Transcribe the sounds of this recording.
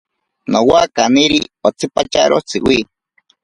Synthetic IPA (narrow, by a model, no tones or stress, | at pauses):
nowakaniɾḭot͡sʰɨpat͡ʃaɾʔot͡sʰɨ̰wi